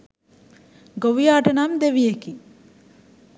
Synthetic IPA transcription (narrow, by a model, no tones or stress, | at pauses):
ɡoʋijaːʈənamd̪eʋijeki